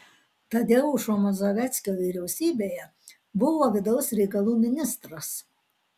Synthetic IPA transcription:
t̪ɐd̪ʲɛʊʊʃomɐzoːʋʲɛˑt̪sʲkʲoːʋʲiːɾʲɛʊsʲiːbʲeːjɛ | bʊʋoːʋʲɪd̪ɐʊsɾʲɛɪkɐlˠuːmʲɪnʲɪst̪ɾɐs

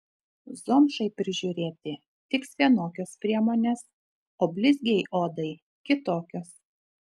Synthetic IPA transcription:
zoːmʃɐɪpʲɾʲɪʒʲʊɾʲeːt̪ʲɪ | t̪ʲɪksʋʲiɛnoːkʲoːspʲɾʲiɛmoːnʲeːs | oːbʲlʲɪzʲɡʲɛjʔoːd̪ɐɪ | kʲɪt̪oːkʲoːs

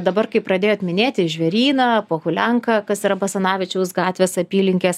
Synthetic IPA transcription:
d̪ɐbɐrkɐɪpɾɐdʲeːjoːt̪mʲɪnʲeːt̪ʲɪʒʲʋʲɛɾʲiːnɐːpoːɣʊlʲɛŋkɐkɐsiɾɐbɐsɐnɑːʋʲɪt͡ʃʲɛʊsɡɑːt̪ʲʋʲeːsɐpʲiːlʲɪŋʲkʲeːs

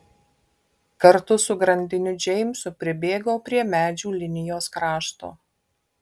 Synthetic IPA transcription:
kɐɾt̪ʊsʊɡɾɐnʲd̪ʲɪnʲʊd͡ʒʲɛɪmsʊpʲɾʲɪbʲeːɡoːpʲɾʲiɛmʲæːd͡ʒʲuːlʲɪnʲɪjoːskɾɑːʃt̪o̰ː

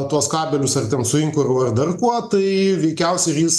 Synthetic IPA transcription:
t̪uɔskɑːbʲɛlʲʊsɐrt̪ʲɛnsʊɪŋkʊɾɐrd̪ɐrkuɔt̪ɐɪʋʲɛɪkʲɛʊsʲɛɪrjiːs

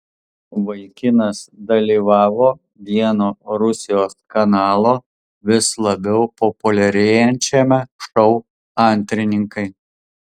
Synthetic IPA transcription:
ʋɐɪkʲɪnɐsd̪ɐlʲiːʋɑːʋoː | ʋʲiɛnoːɾʊsʲɪjoːskɐnɑːlˠoː | ʋʲɪslˠɐbʲɛʊpɔpʊlʲɛɾʲeːjɛnʲt͡ʃʲɛmʲɛʃɔʊ | ɐnʲt̪ʲɾʲɪnʲɪŋkɐɪ

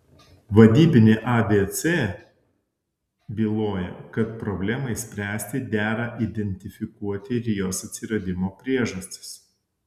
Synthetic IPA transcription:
ʋɐd̪ʲiːbʲɪnʲeːʔɑbʲeːt̪seː | bʲiːlˠoːjɛ̰kɐt̪̚pɾɔbʲlʲɛmɐɪsʲpʲɾʲæːsʲt̪ʲɪd̪ʲæːɾɐʔid̪ʲɛnʲt̪ʲɪfʲɪkuɔt̪ʲɪɾʲjoːsɐt̪ʲsʲɪɾɐd̪ʲɪmoːpʲɾʲiɛʒɐsʲt̪ʲɪ̥s

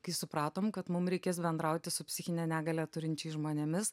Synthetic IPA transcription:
kɐɪsʊpɾɑːt̪oːmkɐt̪mʊmɾʲɛɪkʲeːsbʲɛnd̪ɾɐʊt̪ʲɪsʊpʲsʲɪxʲɪnʲɛnʲæːɡɐlʲæːt̪ʊɾʲɪnʲt͡ʃʲɛɪʒmoːnʲɛmʲɪs

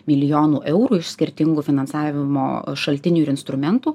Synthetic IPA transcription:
mʲɪlʲɪjoːnuːʔɛʊɾuːɪʃsʲkʲɪɾʲt̪ʲɪŋɡuːfʲɪnɐnsɑːʋʲɪmo̰ːʃɐlʲt̪ʲɪnʲuːɪɾʲɪnst̪ɾʊmʲɛnt̪uː

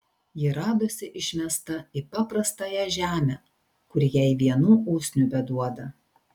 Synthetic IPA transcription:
jɪɾɑːd̪oːsʲɪʔɪʃʲmʲɛst̪ɐipɑːpɾɐst̪ɑːjɛʒʲæːmʲɛ | kʊɾʲjɛɪʋʲiɛnuːʔuːsʲnʲʊbʲɛd̪uɔd̪ɐ

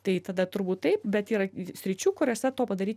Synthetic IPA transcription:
t̪ɐɪt̪ɐd̪ɐt̪ʊɾbuːt̪tɐɪpbʲɛt̪iːɾɐsʲɾʲɪt͡ʃʲuːkʊɾʲoːsʲɛt̪oːpɐd̪ɐɾʲiːtʲ

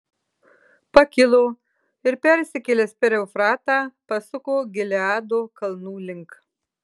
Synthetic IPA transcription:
pɐkʲɪlˠoː | ɪɾpʲɛɾʲsʲɪkʲɛlʲeːspʲɛɾʲɛʊfɾɑːt̪ɑːpɐsʊkoːɡʲɪlʲɛɑːd̪oːkɐlˠnuːlʲɪŋk

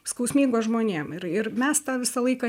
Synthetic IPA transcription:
skɐʊsʲmʲiːŋɡoːsʒmoːnʲeːmɪɾɪɾmʲɛst̪ɑʋʲɪsɐlˠɐɪkɑ

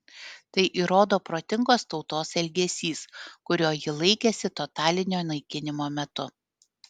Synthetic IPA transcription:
t̪ɐɪʔiːɾoːd̪oːpɾoːt̪ʲɪŋɡoːst̪ɒʊt̪oːsɛlʲɡʲɛsʲiːskʊɾʲoːjɪlˠɐɪkʲɛsʲɪt̪ɔt̪ɑːlʲɪnʲoːnɐɪkʲɪnʲɪmoːmʲɛt̪ʊ

